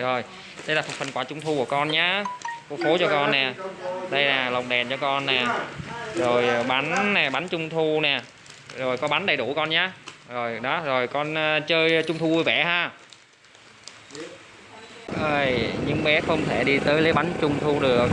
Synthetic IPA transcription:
zo˨˩j | ɗə˧jlaː˨˩fnfə˨˩nkwaː˧˩t͡ɕʊ˧ŋ͡mt̪ʰu˧ku˧˩əkɔ˧nɲaː˨˧˦ku˧˦fo˨˦t͡ɕɔ˧kɔ˧nːɛ˨˩ɗə˧jlaː˨˩lə˨˩wŋ͡mɗɛ˨˩nt͡ɕɔ˧kɔ˧nːɛ˨˩zo˨˩jɓa˨˦nnɛ˨˩ɓa˨˦nt͡ɕʊ˧ŋ͡mt̪ʰu˧nɛ˨˩ | zo˨˩jkɔ˨˦ɓa˨˦nɗə˨˩jɗṵ˧˩kɔ˧nɲaː˧zo˨˩jɗɔ˨˦zo˨˩jkɔ˧nː˧t͡ɕəː˧jt͡ɕʊ˧ŋ͡mt̪ʰu˧ʔu˧jvɛ˧˩haː˧˩ | ʔəː˨˧˩jɲɨ̰˧˥ŋɓɛ˨˦xə˧wŋ͡mt̪ʰe˧˩ɗi˧t̪əː˨˦jlə˨˦jɓa˨˦nt͡ɕʊ˧ŋ͡mt̪ʰu˧ɗɨ˨˩ək̚

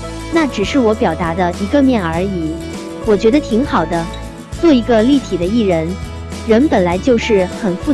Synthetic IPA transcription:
na˥˩ʈ͡ʂɻ̩˨˩ʂɻ̩˥˩wɔ˧˥pjɑ˨˩ʊt̪a˧˥d̪ə˧i˧˥ɡə˧mjɛ˥˩nə˞˧˥i˨˩˦ | wɔ˨˩t͡ɕɥɛ˧˥d̪ə˧t̪ʰi˧˥ŋxɑ˨˩ʊd̪ə˦ | t͡swɔ˥˩i˧˥ɡə˧li˥˩t̪ʰi˨˩d̪ə˦i˥˩ɻə˧˥n | ɻə˧˥npə˨˩nla˧˥ɪt͡ɕjo˥˧ʊʂɻ̩˥˩xə˨˩nfu˥˩

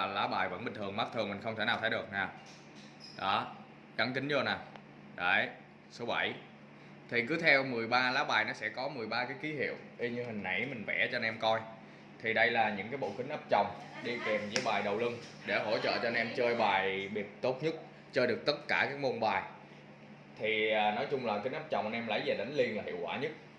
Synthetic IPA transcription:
laː˨˦ɓaː˨˩jvə̰˧˥nɓï˨˩ŋ̟t̪ɨ˨˩əŋma˦˥t̚t̪ʰɨ˨˩əŋmï˨˩ŋ̟xə˧ŋ͡mt̪ʰe˧˩naː˨˩wt̪ʰːjɗɨ˨˩ək̚naː˨˩w | ɗɔ˨˦ | ɣa˨˦ŋkï˨˦ŋ̟zo˧naː˨˩ | ɗə˨˩j | so˨˦ɓə̰˧˩j | t̪ʰi˨˩kɨ˨˦t̪ʰɛ˧wmɨ˨˩əjɓaː˧laː˨˦ɓaː˨˩jnɔ˨˦sɛ̰˧˥kɔ˨˦mɨ˨˩əjɓaː˧kaː˨˦jki˨˦hḭ˧˨əwʔi˧ɲɨ˧hï˨˩ŋ̟ʔa̰˧˩jmï˨˩ŋ̟vɛ̰˧˩t͡ɕɔ˧ʔɛ˧mkɔ˧j | t̪ʰi˨˩ɗə˧jlaː˨˩ɲɨ̰˧˥ŋkaː˨˦jɓo̰˧˨kï˨˦ŋ̟ʔaː˦˥p̚t͡ɕɔ˨˩wŋ͡mɗi˧ke˨˩mzəː˧˨˦jɓaː˨˩jɗə˨˩wlɨ˧ŋ | ɗe˧˩ɦo̰˧˥t͡ɕə̰ː˧˨t͡ɕɔ˧nʔɛ˧mt͡ɕəː˧jɓaː˨˩jɓi˨˩əp̚t̪o˦˥t̚ɲə˦˥t̚ | t͡ɕəː˧jɗɨ˨˩ək̚t̪ə˦˥t̚kaː˧˩kaː˦˥k̚mo˧nɓaː˨˩j | t̪ʰiː˨˩˨nɔ˨˦jt͡ɕʊ˧ŋ͡mlaː˨˩kï˨˦ʔaː˦˥p̚t͡ɕɔ˨˩wŋ͡mʔə˧nʔɛ˧mla̰˧˩jve˨˩ɗə˨˦ŋ̟li˧ənlaː˨˩hḭ˧˨əwkwa̰ː˧˩ɲə˦˥t̚

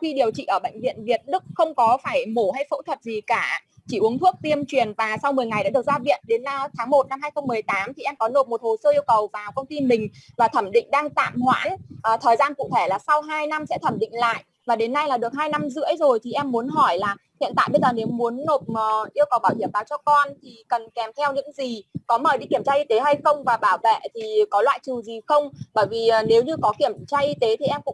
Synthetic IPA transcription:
xi˧ɗi˨˩əwt͡ɕḭ˧˨ʔəː˧˩ɓə̰˧˨jŋ̟vḭ˧˨ənvi˨˩ət̚ɗɨ˦˥k̚xə˧wŋ͡mkɔ˨˦faː˧˩jmo˧˩ɦa˧jfo̰˧˥t̪ʰwə˨˩t̚zi˨˩kaː˧˩ | t͡ɕi˧˩ʔu˨˦əŋt̪ʰu˦˥ək̚t̪i˧əmt͡ɕwi˨˩ənvaː˨˩sa˧wŋ͡mmɨ˨˩əjŋa˨˩jɗa̰ː˧˥ɨ˨˩ək̚zaː˧vḭ˧˨ənɗe˨˦nːa˧t̪ʰaː˨˦ŋmo˨˩t̚na˧mhaː˧jxə˧wŋ͡mmːɨ˨˩əjt̪aː˨˦mt̪ʰi˨˩ʔɛ˧mkɔ˨˦no˨˩mo˨˩t̚ho˨˩səː˧ʔi˧əwkə˨˩wvaː˨˩wkə˧wŋ͡mt̪i˧mï˨˩ŋ̟vaː˨˩t̪ʰə˧˩mɗḭ̈˧˨ŋ̟ɗaː˧ŋt̪a̰ː˧˨mhwa̰ː˧˥nʔt̪ʰəː˨˩jzaː˧nkṵ˧˨t̪ʰe˧˩laː˨˩sa˧wɦaː˧jna˧msɛ̰˧˥t̪ʰə˧˩mɗḭ̈˧˨ŋ̟la̰ː˧˨jʔ | vaː˨˩ɗe˨˦nːa˧jlaː˨˩ɗɨ˨˩ək̚ɦaː˧jna˧mzɨ̰˧˥əjzo˨˩jt̪ʰi˨˩ʔɛ˧mːu˨˦ənɦɔ˧˩jlaː˨˩ | hḭ˧˨nt̪a̰ː˧˨jɓə˧jzəː˨˩ne˨˦mu˨˦ənːo˨˩t̚ə˨˩ʔi˧əwkə˨˩wɓaː˧˩whi˧˩əmvaː˨˩wt͡ɕɔ˧kɔ˧nt̪ʰi˨˩kə˨˩nkɛ˨˩mt̪ʰɛ˧wɲɨ̰˧˥ŋzi˨˩kɔ˨˦məː˨˩ɗḭ˧ki˧˩əmt͡ɕaː˧ʔi˧t̪e˨˦ɦa˧jxə˧wŋ͡mvaː˨˩ɓaː˧˩wvḛ˧˨t̪ʰi˨˩kɔ˨˦lwa̰ː˧˨jt͡ɕɨ˨˩zi˨˩xə˧wŋ͡mɓəː˧˩jvi˨˩˨ne˨˦wɲɨ˧kɔ˨˦ki˧˩əmt͡ɕaː˧ʔi˧t̪e˨˦t̪ʰi˨˩ʔɛ˧mkʊ̰˧˥

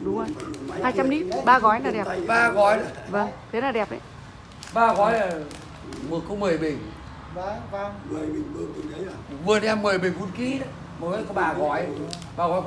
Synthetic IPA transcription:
ɗʊ˨˦ŋ͡mə˧jhaː˧jt͡ɕa˧mni˦˥t̚ɓaː˧ɣɔ˨˦jnaː˨˩ɗɛ˨˩pɓaː˧ɣɔ˨˦jɗa˨˦və˧˩ŋt̪ʰe˨˦naː˨˩ɗɛ˨˩p̚ʔa̰˧˨ | ɓaː˧ɣɔ˨˦jlaː˨˩ | mɨ˨ə˩kːə˧wŋ͡mmɨ˨˩əjɓi˨˩ŋ | a˧kwaː˧˨ | mɨ˨˩˨n˨ɛ˧mːɨ˨˩əjɓï˨˩fu˨˦nki˨˦ɗa˨˦ | mɔ˨˩kːkɔ˧˦ɓaː˨˩ɣɔ˨˦j | ɓaː˨˩ɣɔ˨˦j

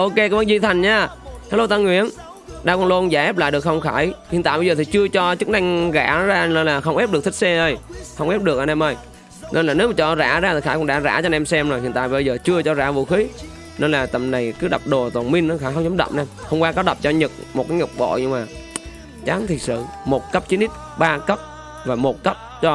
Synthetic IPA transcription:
ʔo˧ke˧kɔ˨˦və˧nzi˧˨t̪ʰa˨˩jŋ̟ɲaː˧˩ | aː˨˧˦lo˧t̪a˧ŋwḭ˧˨ən | ɗaː˧kɔ˧˩lo˧nzaː˧˩ʔɛː˦˥p̚la̰ː˧˨jɨ˨˩əkxə˧wŋ͡mxaː˧˩jhḭ˨nt̪aː˧˨jɓə˧jzəː˨˩i˨˩t͡ɕɨ˧ət͡ɕɔ˧t͡ɕɨ˦˥k̚na˧jŋɣa̰ː˧˩˥zaː˧ne˧nlaː˨˩xə˧wŋ͡mʔp̚ɗɨ˨˩k̚t̪ʰk̚sɛ˧ʔə˧jxə˧wŋ͡mʔɛ˦˥p̚ɗɨ˨˩ək̚ʔnɛ˧mʔə˧˩j | nʔe˧nlaː˨˩ne˨˦wmaː˨˩t͡ɕɔ˧za̰ː˧˩zaː˧t̪ʰi˨˩xaː˧˩kʊ̰˧˥ŋ͡mɗa̰ː˧˥za̰ː˧˩t͡ɕɔ˧nʔɛ˧msɛ˧mzo˨˩jhḭ˨nt̪ːjɓə˧jzəː˨˩t͡ɕɨ˧ət͡ɕɔ˧zaː˧˩vṵ˧˨xi˨˦ | ne˧nlaː˨˩t̪ə˨˩mna˨˩jkɨ˨˦ɗa˨˩p̚ɗo˨˩t̪wa˨˩nmï˧ŋnɔ˨˦xaː˧˩xə˧wŋ͡mzə˨˦ŋ͡mɗə̰˧˩m̚naː˧˩mxə˧wŋ͡mkwaː˧kɔ˨˦ɗə˨˩p̚t͡ɕɔ˧ɲɨ˨˩k̚mo˨˩t̚kaː˨˦jŋɔ˨˩wk͡p̚ɓo̰˧˨ɲɨ˧ŋmaː˨˩ | t͡ɕaː˨˦ŋt̪ʰi˨˩t̚sɨ̰˧˨mo˨˩t̚kə˦˥p̚t͡ɕi˨˦ni˦˥t̚ | ɓaː˧kə˦˥p̚ | vaː˨˩mo˨˩t̚kə˦˥p̚t͡ɕɔ˧

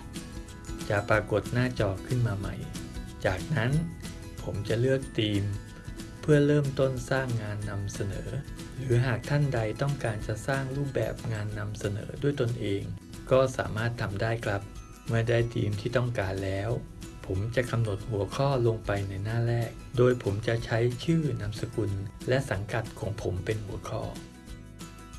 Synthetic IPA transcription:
t͡ɕa˨˩ʔpɾaː˧ko˨˩t̪̚naː˥˩t͡ɕɔː˨˩kʰːɯ˥˩nmaː˧ma̰˧˩jt͡ɕaː˨˩k̚na˦˥n | pʰo˩˦mt͡ɕa˨˩lɯ˥˩ək̚t̪iː˧m | pʰɯ˥˩ɐɾɤː˥˩mt̪o˥˩nsaː˥˩ŋːaː˧nːa˧msa˧nɤ̰ː˩˦ | ɾɯː˩˦ɦaː˨˩k̚t̪ʰa˥˩nda˧jt̪ɔ˥˩ŋkaː˧nt͡ɕa˨˩saː˥˩ŋɾuː˥˩p̚bɛ̰ː˨˩p̚ŋaː˧nːa˧msa˧nɤ̰ː˩˦du˥˩əjt̪o˧nʔeː˧ŋ | kɔː˥˩sa̰ː˩˦maː˥˩t̪ʰːa˧mdaː˥˩jkʰla˦˥p̚ | maː˥˩daː˥˩jt̪ʰḭː˧mt̪ʰiː˥˩t̪ɔ˥˩ŋkaː˧nlɛː˦˥w | pʰo˩˦mt͡ɕa˨˩ʔka˧mno˨˩t̪̚hu˩˦ɐkʰɔː˥˩lo˧ŋpa˧jna˧jnaː˥˩ɾɛː˥˩k̚doː˧jpʰo˩˦mt͡ɕa˨˩ʔt͡ɕʰa˦˥jt͡ɕʰɯː˥˩na˧msa˧ku˧nlɛ˦˥sa˩˦ŋka˨˩t̪̚kʰɔː˩˦ŋpʰo˩˦mpe˧nhu˩˦ɐkʰɔ̰ː˥˩

